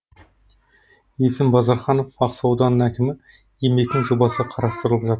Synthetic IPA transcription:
jesɪmbɑzɑɾχɑno̞fɑqsɑwd̪ɑnːəɴækʲɪmɪ | jeme̞k̚t̪ʲɪŋʒobɑsəqʰɑɾɑst̪əɾəlˠəpʒɑt̪əɾ

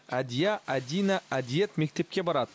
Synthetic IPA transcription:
æd̪ijaʔæd̪ijnaʔæd̪ijet̪me̞k̚t̪e̞p̚kʲe̞bɑɾɑd̪ə

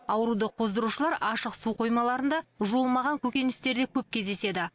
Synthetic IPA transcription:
ɑwəɾud̪əqʰo̞zd̪əɾuʃəlˠɑɾɑʃəqsuqʰo̞jmɑlˠɑɾənd̪ɑʒuəlˠmɑʁɑŋkʲʰɵkʲe̞nɪst̪e̞ɾd̪ekʲʰɵp̚kʲʰe̞zd̪e̞se̞d̪ɪ

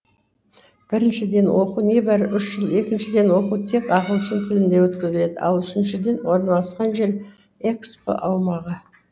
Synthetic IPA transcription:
b̥ɪɾɪnʃɪd̪e̞nwʔo̞quwne̞bæɾɪʔʏʃʒəlˠe̞kʲɪnʃɪd̪e̞nwo̞qut̪ʰe̞kɑʁəlˠsənt̪ʰɪlɪnd̪e̞wɵt̪kʲɪzɪle̞d̪ɪɑ̰lˠʏʃɪnʃɪd̪e̞nwo̞ɾnɑlˠɑsqɑnʒe̞l | ekspo̰ʔɑwmɑʁə

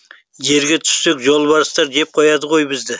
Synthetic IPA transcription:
ʒe̞ɾɡʲet̪ʰʏ̥sːekʲʒo̞lˠbɑɾəst̪ɑɾd͡ʒe̞p̚qʰojɑd̪əʁo̞jbɪzd̪ɪ

